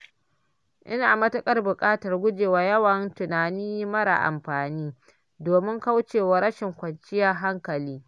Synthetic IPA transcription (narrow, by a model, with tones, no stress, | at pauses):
ʔɪ̰˦naː˨mɐ˦tɐ˦kʼɐ˦rbʊ˨kʼaː˦tɐ˨rɡʷʊ˦d͡ʒeː˨waː˨jɐ˦wɐ˨ntʊ˨naː˨niː˦jmɐ˦ɽa̰˨ʔa̰˨mɸaː˨niː˦ | doː˨mɪ˦ŋka˦wt͡ʃeː˨wa˨ɾɐ˦ʃɪ˨ŋkʷɐ˨nt͡ʃɪ˦jɐ˦rɦa˦ŋkɐ˨liː˦